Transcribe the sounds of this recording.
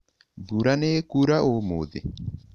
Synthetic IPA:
buɾanekuɾaʔomoðḛ

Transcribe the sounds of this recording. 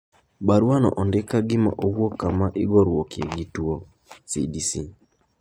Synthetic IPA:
baɾwanɔ̰ʔɔndɪkaɡɪma̰ʔowwokːamaʔɪɡɔɾwokḛɡitwo | sḭdisi

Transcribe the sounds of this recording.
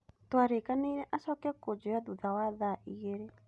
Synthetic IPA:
twaɾekaneiɾɛʔasɔkɛkod͡ʒojaduðawaðaʔiɣeɾe

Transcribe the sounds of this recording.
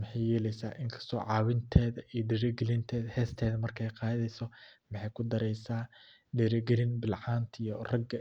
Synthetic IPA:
mħɑjjɛːlɛjsaːʔɪŋkʰɐ̥st̪ʰɔ̰ːʕɑːwɪnt̪ʰɛːðɐʔiɔɖɪɾɛɡɛlɪnt̪ʰɛːðɐhɛːst̪ʰɛːðɐmɐrkʰɛjqɑːðɛjsɔmɑħɑjkʰʊd̪ɐɾɛjsaː | ɖiɾɛɡɛlɪnbɪlʕaːnt̪ʰijɔrɐɡɐ

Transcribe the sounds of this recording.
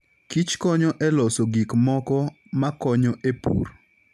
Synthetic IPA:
kit͡ʃkɔɲɔʔɛlɔsoɡikmɔkɔ | makɔɲɔʔepṵr

